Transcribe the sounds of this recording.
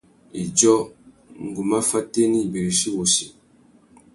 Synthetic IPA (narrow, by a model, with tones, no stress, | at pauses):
i˨d͡ʒɔ˦ | ŋ̩˨ɡu˨ma˦fa˦te˦ni˦˨be˨ɾi˨si˦wo˨si˨